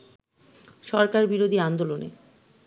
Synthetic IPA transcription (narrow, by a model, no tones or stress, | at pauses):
ʃɔɾkaɾbiɾod̪ʱiand̪olonḛ